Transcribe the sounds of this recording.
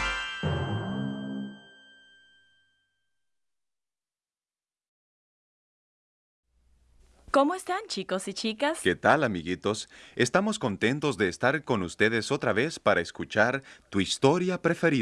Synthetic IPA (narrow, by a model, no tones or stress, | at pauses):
komoest̪ant͡ʃikosit͡ʃikaske̞t̪alamiɣit̪o̞se̞st̪amo̞sko̞nt̪e̞nt̪o̞zðe̞ːst̪aɾko̞nust̪e̞ðe̞so̞t̪ɾaβe̞spaɾaeskut͡ʃaɾt̪uist̪o̞ɾjapɾe̞fe̞ɾi